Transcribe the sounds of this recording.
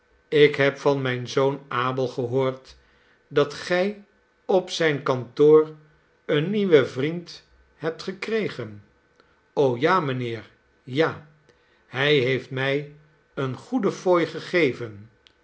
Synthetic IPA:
ɪkɦɛpfɑnmɛjnzownaːbəlˠχəɦoːɹt | dɑtχɛj | ɔpsɛjnkɑntoːr | ənːiʋəvrint | hɛp̚tχəkrejχən | owjaːmənɪːɹ | jaː | hɛjɦejftmɛj | ənχudəfojχəχejvən

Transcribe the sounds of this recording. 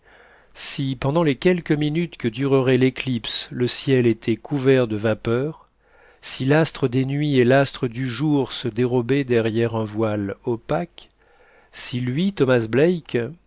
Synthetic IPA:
sipɑ̃d̪ɑ̃lekʲɛlkəminyt̪kəd̪yʁəʁɛleklipsləsjɛlet̪ʰɛkʰuvɛʁd̪əvapœʁ | silast̪χəd̪enɥielast̪χəd̪yʒuʁsəd̪eʁɔbɛd̪ɛʁjɛʁɛ̃vwalɔpak | silɥit̪ɔmasblɛjk

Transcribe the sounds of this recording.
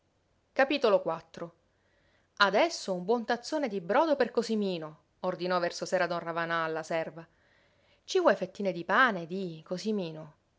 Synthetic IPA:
kapiːt̪olokwat̪ːɾo | ad̪ɛsːoumbwɔnt̪at̪sːoːned̪ibɾɔːd̪operkosimiːno | ord̪inɔvɛrsosɛːɾad̪ɔnravanaːlːasɛrva | t͡ʃivwɔjfet̪ːiːned̪ipaːned̪ikosimiːno

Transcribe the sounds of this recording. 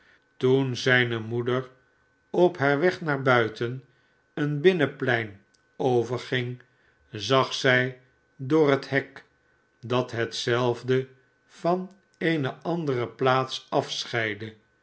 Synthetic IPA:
tunzɛjnəmudəɹ | ɔpɦaːɹʋɛχnaːɹbœɥtən | ənbɪnəplɛjn | owvəɹχɪŋ | zɑχsɛj | dʊːrətɦɛk | dɑt̪ɦətsɛlˠvdə | fɑn | ejnəʔɑndərəplaːtsɑfsχɛjdə

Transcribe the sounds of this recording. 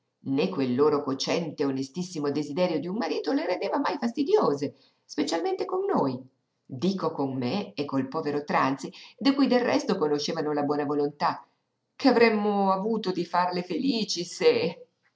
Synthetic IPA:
nekːwelːoːɾokot͡ʃɛnt̪eonest̪isːimod̪ezid̪ɛːɾjod̪iummaɾiːt̪oleɾend̪eːvamajfast̪id̪joːze | spet͡ʃalment̪ekonːoj | d̪iːkokonmeːkːolpɔːveɾot̪ɾant̪sid̪ikujd̪elrːɛ̰st̪okonoʃːeːvanolabwɔːnavolont̪a | kʰeavɾɛmːoavuːt̪od̪ifarlefeliːt͡ʃise

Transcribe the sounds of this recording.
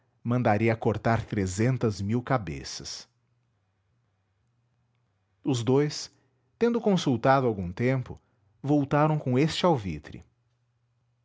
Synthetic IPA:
mɐ̃nd̪aɾiɐkoɾt̪aɾt̪ɾezẽnt̪ɐzmiwkabḛsɐs | ʊzd̪ojs | t̪ẽnd̪ʊkõsuwt̪ad̪ʊawɡũt̪ẽmpʊ̰ | vowt̪aɾɐ̃w̃kõest͡ʃɪawvit̪ɾɪ̰

